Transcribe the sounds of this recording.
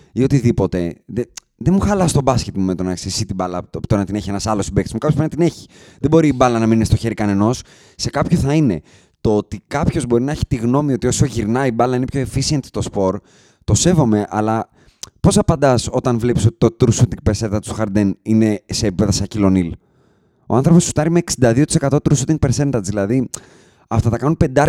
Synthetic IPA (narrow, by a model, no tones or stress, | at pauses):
io̞t̪iðipo̞t̪e̞ðe | ðemuxɐlɐst̪o̞bɐscet̪mumet̪o̞nɐksisit̪ibɐlɐt̪oɾɐnɐt̪ine̞çie̞nɐsɐlo̞sibekt̪smukɐpjoboɾinɐt̪ine̞çi̥ | ðebo̞ɾiːbɐlɐnɐmininest̪o̞çe̞ɾikɐne̞no̞s | se̞kɐpço̞θɐine̞ | t̪oot̪ikɐpço̞zbo̞ɾinɐeçi̥t̪iɣno̞mio̞t̪io̞so̞ʝiɾnɐibɐlɐinepço̞efisiɐnt̪i̥t̪o̞spo̞ɾ | t̪o̞se̞vo̞me̞ʔɐlɐ | po̞sɐpɐnd̪ɐso̞t̪ɐnvlepisot̪i̥t̪oit̪ɾusut̪iŋɡ̚peɾsent̪ɐt̪soxɐɾd̪enine̞se̞ːpipe̞ðɐsɐcilo̞nil | oɐnθɾo̞p̬ou̥t̪ɐɾime̞ːksind̪ɐðiot̪isekɐt̪o̞t̪ɾusut̪iŋɡ̚peɾse̞nt̪ɐzðilɐði | ɐft̪ɐtɐkɐnunpe̞nd̪ɐ